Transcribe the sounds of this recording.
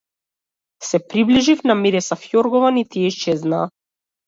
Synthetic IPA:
sɛpɾibliʒifnamiɾɛsafjɔɾɡɔvanit̪iɛiʃt͡ʃɛzna̰ː

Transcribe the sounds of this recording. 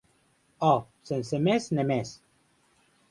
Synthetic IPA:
ɔsensemesnemes

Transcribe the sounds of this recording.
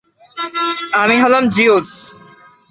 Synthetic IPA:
amiɦɔlamd͡ʑios

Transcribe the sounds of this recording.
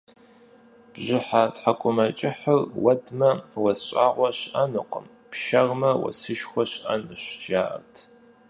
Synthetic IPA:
b̥ʑɪħatħakʷʼʊmɐt͡ʃʼɪħərwɐdmɐwɐɕʼaːʁʷɔɕʔɐnɨqəm | pʃɐʁmɐwɐ̰sɨʃxʷɔɕʔɐnɨɕd͡ʒaːʔɐ̰rtʰ

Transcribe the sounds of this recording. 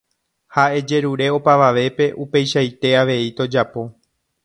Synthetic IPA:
hae̞d͡ʒe̞ɾuɾe̞o̞paʋaʋe̞pe̞ʔupe̞jʃajt̪e̞aʋe̞it̪o̞d͡ʒapo̞

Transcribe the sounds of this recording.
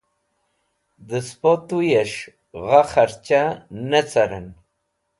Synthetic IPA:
d̪əspot̪ujeʂ | ɣaχaɾt͡ɕanət͡saɾə̰n

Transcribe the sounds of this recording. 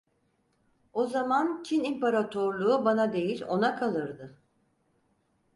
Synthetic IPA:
o̞zamant͡ʃʰinimpaɾat̪ʰoɾlˠuːbanad̪e̞jilʲo̞nakʰalˠɯɾd̪ɯ

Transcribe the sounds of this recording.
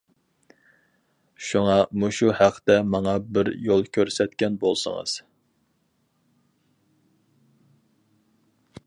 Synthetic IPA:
ʃuŋɑmuʃuhæqʰːt̪ɛmɑŋɑbɪɾjolˠkʲʰøɾsɛt̪kʲɛnbolˠsə̰ŋə̰z̥

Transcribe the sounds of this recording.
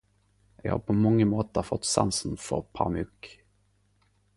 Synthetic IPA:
jɑ̰ha̰pʰɔmɔŋːəmoːt̪əɾfɔt̪ːsa̰nsənfœ̰ɾpʰa̰mʉk

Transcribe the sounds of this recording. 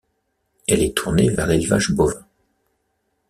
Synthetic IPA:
ɛlɛt̪ʰuʁnevɛʁelvaʒbɔvɛ̃

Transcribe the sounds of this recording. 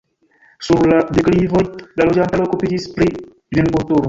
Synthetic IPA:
suɾladeklivo̞jlalod͡ʒantalokupid͡ʒispɾi | venikultuɾo

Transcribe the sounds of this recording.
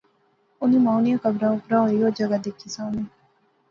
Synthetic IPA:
ʊnĩːmaːʊnɪjãːkəbɾãːʊpɾaːɦoːiɦoːd͡ʒəɡaːd̪ekʰːisaːneː

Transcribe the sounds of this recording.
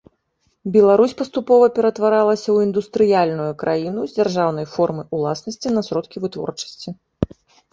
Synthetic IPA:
bʲɛlˠaɾusʲpɐst̪upɔvɐpʲɛɾɐt̪vaɾalˠɐsʲɐwind̪ust̪ɾɨjalʲnujukɾʔajinuzʲd͡zʲarʐawnɐjfɔrmɨulˠasnɐsʲt͡sʲinɐsɾɔt̪kʲivɨt̪vɔ̰rt͡ʂɐ̥sʲt͡sʲi

